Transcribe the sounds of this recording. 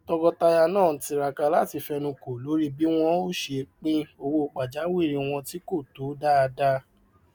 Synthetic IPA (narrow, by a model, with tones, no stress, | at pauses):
tɔ˧ɡɔ˧ta˧ja˧nãː˦˨ti˧ɾa˨ka˧la˦ti˧fɛ˧nũ˧ko˨lo˨˦ɾi˦bi˦w̃ɔ̃˦o˦˨ʃe˧k͡pĩ˦o˧wo˧˨k͡pa˨d͡ʒa˨˦wi˦˨ɾĩ˧w̃ɔ̃˧ti˦ko˦˨to˨˦da˦a˧da˦˧